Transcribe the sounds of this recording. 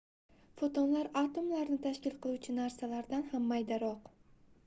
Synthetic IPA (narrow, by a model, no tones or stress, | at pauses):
fot̪ʰonlaɾat̪ʰomlaɾnɪt̪ʰaʃkʲɪlˠqʰɨlˠuwt͡ʃʰɪnaɾsalaɾd̪anhamːajd̪aɾɒq